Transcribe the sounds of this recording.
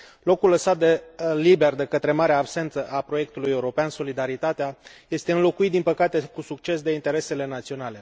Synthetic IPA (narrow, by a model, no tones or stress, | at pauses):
lo̞kuləsat̪̚d̪e̞libe̞rd̪e̞kət̪ɾe̞maɾeaːbse̞nt̪səʔapɾo̞je̞k̚t̪ulujeuɾo̞peanso̞lid̪aɾit̪at̪eaje̞st̪eɨnlo̞kuit̪̚d̪inpəkat̪e̞kusukt͡ʃe̞sd̪e̞int̪e̞ɾe̞se̞le̞nat̪sio̞nale̞